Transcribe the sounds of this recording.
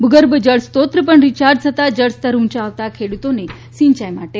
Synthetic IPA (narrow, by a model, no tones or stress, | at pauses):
bʱuɡəɾbəd͡ʑəɭst̪ot̪ɾəpəɳɾit͡ɕaɾd̪sət̪ad͡ʑəɭst̪əɾunt͡ɕaːʋt̪akʰeɽut̪one | siɲt͡ɕajmaʈe